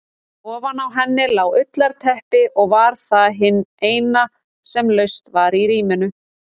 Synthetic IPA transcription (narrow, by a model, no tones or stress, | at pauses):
ɔːvanawɦɛnːɪlaːwʏt̪laɾ̥t̪ʰɛhpɪʔɔɣvaɾ̥θaðɦɪnːeːjna | sɛmlœɥst̪vaɾiɾiːmɪnʏ